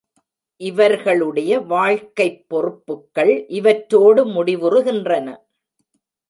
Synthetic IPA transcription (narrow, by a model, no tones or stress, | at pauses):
ʔɪʋɐɾɣɐɭɯɽɐjɐʋaːɻkɐɪpːɔrɯpːɯkːɐɭʔɪʋɐʈɾoːɽɯmʊɽɪʋɯrɯɣɪndrɐnɐ